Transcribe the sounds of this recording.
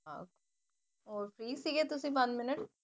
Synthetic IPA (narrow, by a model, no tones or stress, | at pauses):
a̰k | ɔːɾfɾiːsiːket̪ʊsĩpãt͡ʃmɪnəʈ